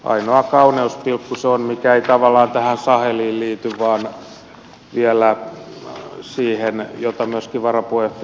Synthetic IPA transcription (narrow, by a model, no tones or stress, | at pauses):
ʔɑ̰inoɑkɑuneuspilkːuseonmikæeit̪ɑʋɑlːˑɑːnt̪æhænsɑheliːlliːt̪yʋʋɑːn | ʋiælæ | siːhenjot̪ɑmyøskiʋɑrɑpuef